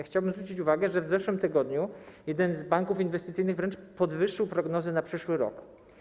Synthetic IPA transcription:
xt͡ɕawbɘmzɾut͡ɕit͡ɕuvaɡɛʐɛvzɛʂwɘmt̪ɘɡɔd̪ɲujɛd̪ɛnzbaŋkufinvɛst̪t̪sɘjnɘɣvɾɛnt͡ʂpɔd̪vɘʂːɘwpɾɔɡnɔzɘnapʂɘʂwɘɾɔ̰k

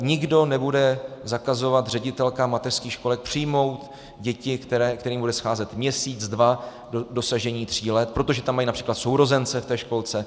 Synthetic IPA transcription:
ɲɪɡdo̞nɛbudɛzakazo̞vat̪r̝ɛɟɪt̪ɛlkamat̪ɛr̥skiːxʃko̞lɛk̚pr̝̥ɪjmo̞wt̪ | ɟɛcɪkt̪ɛɾɛkt̪ɛɾiːmbudɛsxaːzɛt̪mɲɛsiːt͡sdva | odo̞saʒɛɲiːt̪r̝̥iːlɛt̪̚pɾo̞t̪o̞ʒɛt̪amːajiːnapr̥iːklat̪so̞wɾo̞zɛnt͡sɛft̪ɛːʃko̞lt͡sɛ

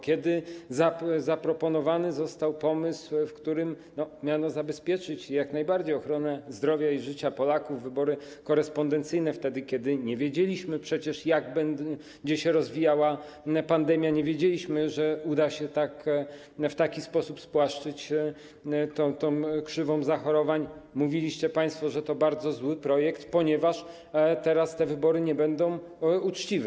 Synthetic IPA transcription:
kʲɛd̪ɘzazapɾɔpɔnɔvanɘzɔst̪awpɔmɘswfkt̪uɾɘm | nɔmʲjanɔzabɛspʲjɛt͡ʂɘt͡ɕjaknajbaɾd͡ʑejɔxɾɔnɛzd̪ɾɔvʲjaiʐɘt͡ɕapɔlakuvːɘbɔɾɘkɔɾɛspɔnd̪ɛnt̪sɘjnɛft̪ɛd̪ɘkʲjɛd̪ɘɲɛvʲjed͡ʑelʲiɕmɘpʂɛt͡ɕɛʂjaɡbɛn | d͡ʑɛɕɛɾɔzvʲijawa | pand̪ɛmʲjaɲɛvʲjed͡ʑelʲiɕmɘʐɛud̪aɕɛt̪ak | ft̪akʲispɔsupspwaʂt͡ʂɘt͡ɕ | t̪ɔt̪ɔ̃w̃kʂɘvɔ̃w̃zaxɔɾɔvaɲmuvʲilʲiɕt͡ɕɛpaj̃st̪fɔʐɛt̪ɔbaɾd̪zɔzwɘpɾɔjɛkt̪pɔɲɛvaʂ | t̪ɛɾast̪ɛvɘbɔɾɘɲɛbɛnd̪ɔ̃w̃ | ut͡ʂt͡ɕivɛ

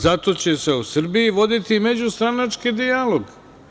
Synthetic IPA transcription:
zat̪o̞t͡ɕe̞se̞usr̩bijiʋo̞d̪it̪ime̞d͡ʑust̪ɾanat͡ʃkid̪ijalo̞ɡ

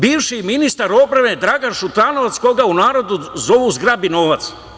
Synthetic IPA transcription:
biːʋʃiminist̪aɾo̞pɾaʋed̪ɾaɡanʃut̪ɾanoʋat̪skoɡaunaːɾo̞d̪uzoʋuzɡɾabinoːʋat̪s

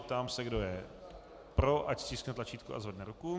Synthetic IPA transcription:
pt̪aːmsɛɡdojɛ | pɾoʔacscʲisknɛt̪lat͡ʃiːt̪kuʔa̰zvɛdnɛɾuku

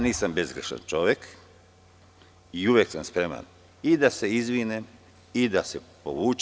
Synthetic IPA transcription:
aniːsambe̞zɡɾeʃa̰nt͡ʃo̞ʋjek | iuʋjeksamspɾema̰n | id̪ase̞izʋinem | id̪asepoʋuːt͡ʃ

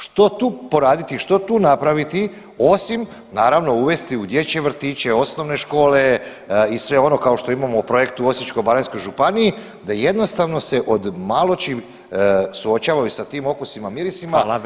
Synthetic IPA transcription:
ʃt̪o̞t̪uːpo̞ɾaːd̪it̪iʃt̪o̞t̪uːnapɾaʋit̪i | o̞sim | naːɾaʋno̞uʋe̞st̪iud̪je̞t͡ɕe̞ʋr̩t̪iːt͡ɕe̞o̞sno̞ʋne̞ʃko̞ːle̞ | isʋe̞o̞no̞kao̞ʃt̪o̞imamoupɾo̞je̞kt̪uo̞sit͡ʃko̞jbaɾansko̞jʒupanii | d̪aje̞d̪no̞st̪aʋno̞se̞ʔod̪malˠo̞t͡ʃi | suo̞t͡ɕaːʋajusat̪iːmo̞kusimamiɾisima

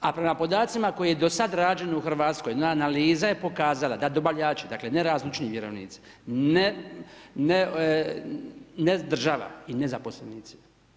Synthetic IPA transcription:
apɾe̞mapo̞d̪aːt̪simako̞jejed̪o̞sad̪ɾaːd͡ʒe̞nuxr̩ʋaːt̪sko̞j̪onaːnaliːzaje̞po̞kaːzalˠad̪ad̪o̞baʎaːt͡ʃed̪akle̞neɾaːzlit͡ʃniʋjeɾoʋnḭːt̪si̥ | ne | ne | ned̪r̩ʒaʋa̰inezapo̞sleniːt̪si̥

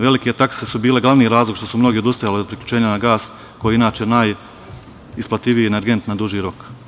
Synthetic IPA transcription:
ʋe̞like̞t̪akse̞subiːle̞ɡlˠaʋniːɾaːzlˠoɡkʃt̪o̞sumno̞ɡeod̪ust̪ajaliod̪̚pɾiklʎut͡ʃe̞ːɲanaɡaːs | ko̞jiinaːt͡ʃe̞naːj | isplˠat̪iʋijieneɾɡe̞nt̪nad̪uʒiːɾo̞k

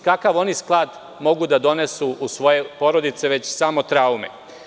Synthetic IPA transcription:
kakaʋo̞nisklˠaːd̪ | mo̞ɡud̪ad̪o̞ne̞suʔːsʋo̞je̞po̞ɾo̞d̪it̪se̞ʋe̞t͡ɕsamot̪ɾaumḛ

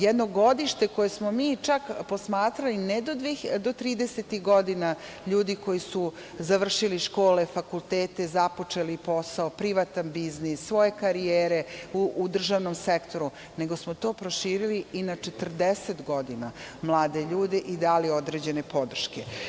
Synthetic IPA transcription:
jɛd̪noɡo̞d̪iʃt̪e̞ko̞jesmo̞miːt͡ʃakpo̞smaːt̪ɾalined̪od̪ʋid̪ot̪ɾiːd̪eset̪iɣɡod̪ina | ʎuːd̪iko̞jisu | zaʋr̩ʃiliʃko̞ːle̞fakulˠt̪eːt̪e̞zapo̞t͡ʂe̞lipo̞saopɾiʋat̪anbiznisːʋo̞je̞kaɾijeːɾe̞uːd̪r̩ʒaːʋno̞msekt̪o̞ɾu | ne̞ɡo̞smot̪o̞ːpɾoʃiːɾiliinat͡ʃet̪r̩d̪eset̪ɡo̞d̪inamlˠaːd̪e̞ʎuːd̪e̞ʔid̪aːlio̞d̪ɾe̞d͡ʑe̞ne̞po̞d̪r̩ʃke

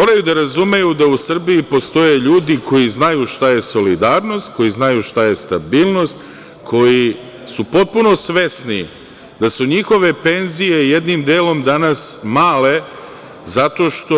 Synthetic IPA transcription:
moːɾajud̪aɾazume̞jud̪ausr̩biːpo̞st̪o̞je̞ʎuːd̪iko̞jiznajuʃt̪aje̞so̞lid̪aːɾno̞st̪ko̞jiznajuʃt̪aje̞st̪abiːlˠno̞st̪ | kʰo̞ji | supo̞t̪̚puno̞sʋe̞snḭ | d̪asuɲixo̞ʋe̞pe̞nzije̞je̞d̪nimd̪eːlo̞md̪anasmaːle̞ | zat̪o̞ʃt̪o

